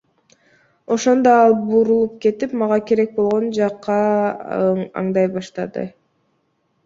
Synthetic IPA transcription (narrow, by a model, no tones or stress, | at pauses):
o̞ʃo̞nd̪oɑlˠbuɾulˠup̚ke̞t̪ipmɑʁɑkeɾe̞k̚bo̞lˠʁo̞nd͡ʒɑqːɑ | ɑ̰ɴd̪ɑjbɑʃt̪ɑd̪ɯ̰